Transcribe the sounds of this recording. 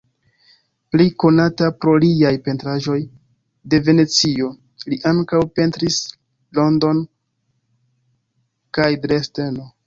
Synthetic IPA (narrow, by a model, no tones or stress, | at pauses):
pliko̞natapɾo̞liajpe̞ntɾaʒo̞j | de̞ve̞ne̞t͡sio̞ | liʔaŋkawpe̞ntɾis | lo̞ndo̞n | kajdɾe̞ste̞no̞